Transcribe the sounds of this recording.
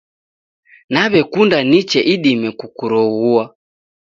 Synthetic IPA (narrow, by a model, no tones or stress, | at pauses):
naβɛkundanit͡ʃɛʔiɗimɛkukuɾɔɣua